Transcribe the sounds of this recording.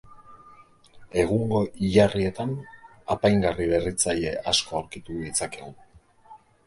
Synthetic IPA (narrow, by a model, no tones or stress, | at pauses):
e̞ɣuŋɡo̞ʔiʎarie̞t̪an | apajŋɡariβe̞rit͡saje̞ʔasko̞awɾkit̪uðit͡sakeon